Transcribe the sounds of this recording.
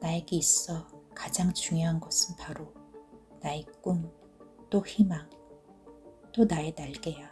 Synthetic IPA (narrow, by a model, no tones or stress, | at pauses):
naeɡe̞is͈ʌkad͡ʑaŋt͡ɕuŋjoɦanɡʌsʰɯnpaɾonaik͈uŋ | t͈oçimaŋ | t͈onae̞naɭɡe̞ja